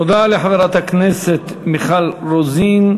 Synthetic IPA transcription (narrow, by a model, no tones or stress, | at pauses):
t̪od̪aleħaveɾat̪hakneset̪ | miχalɾozin